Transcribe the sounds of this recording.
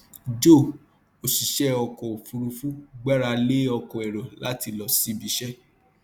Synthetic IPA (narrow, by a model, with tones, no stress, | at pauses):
d͡ʒo˦˨ | o˨ʃi˨ʃɛ˦ɔ˧kɔ̃˨fu˧ɾu˧fũ˦ɡ͡ba˦ɾa˧le˦ɔ˧kɔ̃˨ɛ˨ɾɔ˨la˨˦ti˧lɔ˨sĩ˨˦bi˧˦ʃɛ˦